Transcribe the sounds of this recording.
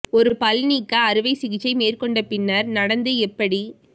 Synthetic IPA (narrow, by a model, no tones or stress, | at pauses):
ɔɾɯpɐlniːkːɐːɾɯʋɐɪsɪɣɪt͡ʃːɐɪmeːrkɔɳɖɐpɪnːɐɾnɐɽɐnd̪ɯɛpːɐɽi